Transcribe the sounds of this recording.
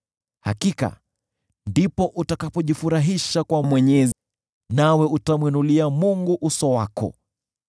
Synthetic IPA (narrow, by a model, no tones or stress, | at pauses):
ha̰kika̰ | ndipɔʔutakapɔʄifuɾaɦiʃakwamwɛɲɛz | nawɛutamwinuliamuŋɡuʔusɔwakɔ̰